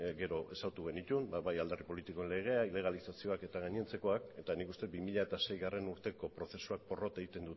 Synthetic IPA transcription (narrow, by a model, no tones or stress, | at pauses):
ɡe̞ɾo̞ʔesawt̪uɣe̞nit̪unbβajald̪aripo̞lit̪iko̞enle̞ɣ̞e̞aile̞ɣ̞alisasio̞ake̞t̪aɣaɲnt͡se̞ko̞ake̞t̪anikust̪e̞t̪̚bimiʎaet̪ase̞jɣare̞nuɾt̪e̞ko̞pɾo̞θe̞suak̚po̞ro̞t̪e̞ɣit̪e̞nd̪u